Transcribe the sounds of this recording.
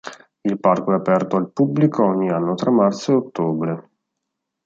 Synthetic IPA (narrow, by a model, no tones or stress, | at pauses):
ilparkoɛapɛrt̪oalpublikʰoɔɲːianːot̪ɾamːart̪soeot̪ːoːbɾe